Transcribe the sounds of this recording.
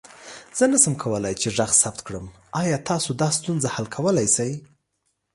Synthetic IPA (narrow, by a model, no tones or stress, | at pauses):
z̥ənasəmkʰawəlajt͡ʃeʐaxsab̚t̪kɽəm | ɑjɑt̪ʰɑsod̪ɑst̪unzahalkʰawəlajsaj